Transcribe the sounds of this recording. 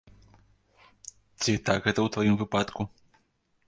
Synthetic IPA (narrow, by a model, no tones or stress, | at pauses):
t͡sʲit̪aɡɣɛt̪ɐwt̪vajimvɨpat̪ku